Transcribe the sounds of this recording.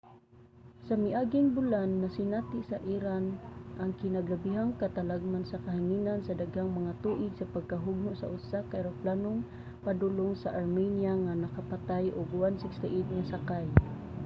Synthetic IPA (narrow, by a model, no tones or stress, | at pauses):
samɪʔaɡiŋbulanːasinat̪ɪʔsaʔiɾanʔaŋkɪnaɡlabiɦaŋkat̪alaɡ̚mansakaɦiŋinansad̪aɡhaŋmaŋat̪uʔɪɡsapaɡ̚kaɦʊɡ̚nʊʔsa̰ʔʊsakaiɾaplanʊŋ | pad̪ulʊŋsaʔaɾminjaŋanakapat̪ajʔʊɡwansɪkst̪ɛʔit̪̚ŋasakaj